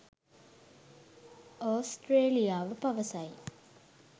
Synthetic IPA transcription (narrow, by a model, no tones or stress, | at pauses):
oːsʈreːlijaːʋəpɐʋəsɐj